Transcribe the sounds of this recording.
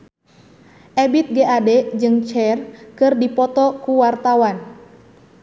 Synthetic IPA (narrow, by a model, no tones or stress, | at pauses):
ʔɛbit̪̚ɡeʔadɛd͡ʒɨŋt͡ʃɛrkɨrdipɔt̪ɔkuwart̪awan